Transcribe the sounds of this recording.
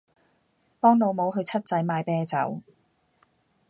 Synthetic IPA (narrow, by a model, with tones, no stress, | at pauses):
pɔː˥ŋlo˨˧wmo˨˧wɦɵ˧ɥt͡sʰɐ˥t̚t͡sɐ˨˥jmaː˨˧jpɛː˥t͡sɐ˨˥w